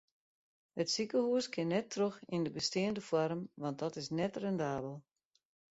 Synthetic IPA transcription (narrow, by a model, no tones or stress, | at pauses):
hətsikəhuəskʰɪnːɛtʰːrøxindəbəstɪəndəfwɔrmʋɑnt̚dɔtɪsnɛtrɛndaːbəlˠ